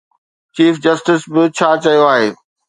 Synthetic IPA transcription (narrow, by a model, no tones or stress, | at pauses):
t͡ɕiːfd͡ʑɐsʈɪsbɪt͡ɕʰaːt͡ɕɐijoaːɦeː